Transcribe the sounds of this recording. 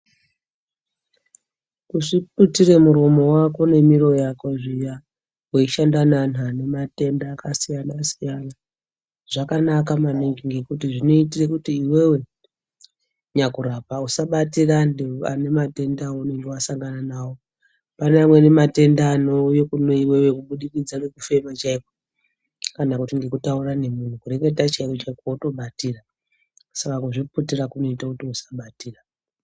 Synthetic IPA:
kuʂip̚utiɾe̞muɾomo̞wako̞ne̞miɾo̞jakoʐija | weiʃandanan̤ane̞mate̞ndaːkasijanasijana | ʐ̥akanakamaneŋɡiŋɡe̞kutiʐino̞itire̞kutiːwe̞we̞ | ɲakuɾapausaɓatirandea̰ne̞mate̞ndawoune̞ŋɡewasaŋɡananaːwo | panamwene̞mate̞ndanojokunoiwe̞wekuɓuɗikid͡zanekufe̞mat͡ʃaiko | kanakutiŋɡe̞kutaurane̞mun̤ukure̞ketat͡ʃaikot͡ʃaikauto̞ɓatiːra | sakakuʐiputirakuno̞itakutiusḁɓatiːra

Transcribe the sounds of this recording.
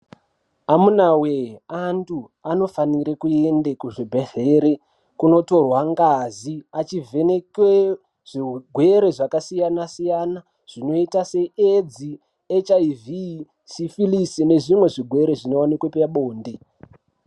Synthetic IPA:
amunaweantʰu | ano̞faniɾekuendekuʐibʱeɮeɾe | kuno̞to̞rwaŋɡaziat͡ʃivʱe̞nekwe | ʐ̥iɡʱwe̞ɾe̞ʐakasijanasijana | ʐ̥ino̞itase̞ed͡zi | et͡ʃaivi | sifilisine̞ʐimwe̞ʐiɡʱwe̞ɾeʐino̞wanikwepaɓoːnde

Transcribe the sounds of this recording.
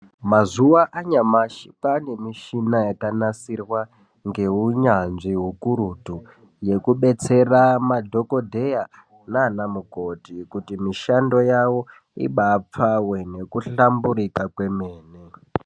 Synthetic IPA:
mazuwaʔaɲamaʃipanemiʃinajetanasirwa | ŋɡe̞ɦuɲanʐiɦukuɾutu | je̞kuɓe̞t͡se̞ramadʱo̞ko̞dʱe̞ja | naːnamukotikutimiʃando̞jawo̞ | ḭɓaːp͡fawene̞kuɬambuɾikakwe̞meːne

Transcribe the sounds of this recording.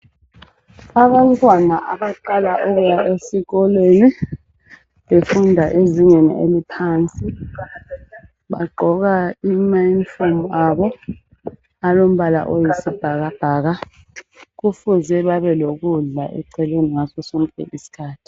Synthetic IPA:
aβantʼwanaʔaβaǃalaʔɔɣujaʔesiɣɔleːni | βefundʱaʔeziɲenḭʔelipʰaːnt͡sʼi | βaɡ͡ǃʱɔɣaimainfomaβɔ | alom̩βala̰ʔojisib̥ʱaɣab̥ʱaːɣa | ɣufuzɛβaβɛloɣuɮa̰ʔɛ̰ǀʰɛlweniŋasɔsɔŋkʼɛ̰ʔisi̥kʰaːtʰi̥

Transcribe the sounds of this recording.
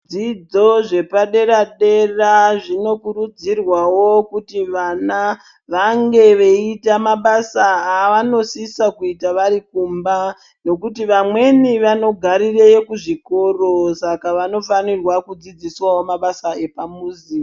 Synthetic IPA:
d͡zid͡zo̞ʐe̞paɗe̞ɾaɗe̞raʐino̞kuɾud͡zirwawo̞kutiʋana | ʋaŋɡe̞ʋe̞itamaɓasaaʋano̞sisakuitaʋaɾikumba | no̞kutiʋamwe̞niʋano̞ɡʱaɾirejekuʐiko̞ro̞sakaʋano̞fanirwakud͡zid͡ziswawo̞maɓasae̞pamuːzi

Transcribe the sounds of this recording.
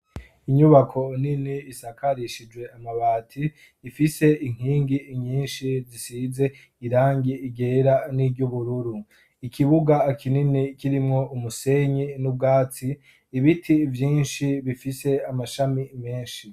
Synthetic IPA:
iɲuβakʰo̞niniːsakaɾiʃid͡ʒwe̞amaβaːtʰiː | fise̞iŋ̥hiːŋɡiːɲiːnʃizisize̞ | iɾaːŋɡiiɡe̞ɾaniɟuβuɾuɾu | ikiβuɡakʰininikiɾimŋo̞ʔumuse̞ɲinub̚ɡaːt͡siː | βitʰivjiːnʃiβifise̞amaʃamime̞ːnʃi

